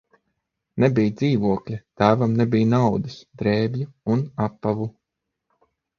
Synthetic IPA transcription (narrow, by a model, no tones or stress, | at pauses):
nebʲijd̪ziːvuɔklʲɛt̪æːvamnɛbʲijnawd̪ɨsd̪ɾɛːbʲjuunapːavu